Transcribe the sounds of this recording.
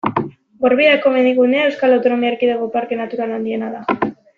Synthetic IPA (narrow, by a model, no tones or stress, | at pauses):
ɡoɾβiðako̞mend̪iɣuneae̞wskalawt̪o̞no̞miaɾkiðeɣopaɾke̞nat̪uɾaland̪ie̞naða